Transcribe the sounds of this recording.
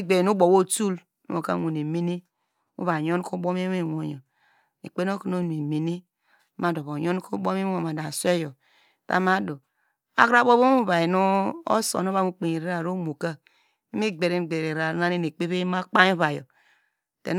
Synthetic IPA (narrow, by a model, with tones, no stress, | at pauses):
ɡ͡be˨nu˦bo˨wo˦tu˦l | nṵ˦o˨ka̰˦o˨ne˨mi˦ni˦ | ṵ˦βa˨jo˦n˦ko˦bo˦me˦e˦˨wo˨jo˨ | nḛ˨k͡pe˦n˦o˦ko˦no˦nu˨i˨mi˨ni˦ | ma˨˦˨do˨βo˨jo˦n˦ko˦bo˦mi˦o˨ma˨da˨se˦jo˨ | ta̰˦ma˦do˨ | a̰˦kɾa˦bo˦βo˦u˦βa˨i˨nu˦o̰˦so̰˨no˦βa˦˨mu˦k͡pe˨ɲi˨ɾe˦ɾa˨ɾo˦mo˨ka˦ | i˦mi˦ɡ͡be˨ɾi˦n˨ɡ͡be˨ɾe˨ɾa˨˦na˦ni˦ne˨k͡pe˦βe˦ma˦k͡pa˦ɲ˦o˦βa˨jo̰˨ | tḛ˨n